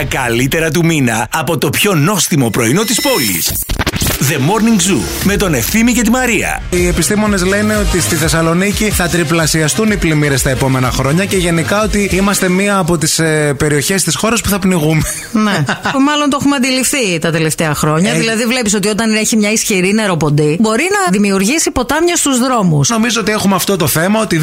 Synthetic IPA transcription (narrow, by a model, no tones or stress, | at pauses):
ɐkɐlit̪e̞ɾɐt̪̬uminɐɐpo̞t̪o̞pço̞no̞sθimo̞pɾo̞ino̞t̪ispo̞lḭs | ðe̞mo̞ɾniŋɡzṵ | me̞t̪o̞ne̞fθimice̞t̪imɐɾiɐ̰ie̞pist̪imo̞ne̞zle̞neo̞t̪ist̪iθe̞sɐlo̞niciθɐt̪ɾiplɐsiɐst̪uniplimiɾe̞st̪ɐe̞po̞me̞nɐxɾo̞ɲɐceʝe̞nikɐo̞t̪iimɐst̪e̞miɐːpo̞t̪ispe̞ɾio̞çe̞st̪isxo̞ɾɐspuθɐpniɣume | neumɐlont̪oxumeɐnd̪ilifθit̪ɐt̪e̞le̞ft̪eɐxɾo̞ɲɐðilɐðivle̞piso̞t̪io̞t̪ɐneçimɲɐisçiɾine̞ɾo̞po̞nd̪ibo̞ɾinɐðimiuɾʝisipo̞t̪ɐmɲɐst̪uzðɾo̞musno̞mizoo̞t̪ie̞xumeɐft̪o̞t̪o̞θe̞mɐo̞t̪i